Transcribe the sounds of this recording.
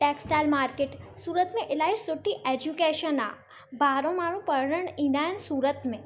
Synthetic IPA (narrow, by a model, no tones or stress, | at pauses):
ʈeːksʈaːlmaːɾkeːʈsuːɾət̪mẽʔɪlaːisʊʈːiʔeːd͡ʒukeːʃəna̰ | baːɾõmaːɽ̃ũpəɾɽəɳĩd̪aːjnsuːɾət̪mẽ